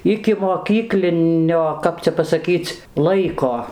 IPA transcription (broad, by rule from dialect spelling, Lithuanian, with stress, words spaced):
ɪkʲɪmoːˈkʲiːklʲɪnʲoː ˈkɐp t͡sʲɛ pɐsɐˈkʲiːt͡s ˈlˠɐɪkoː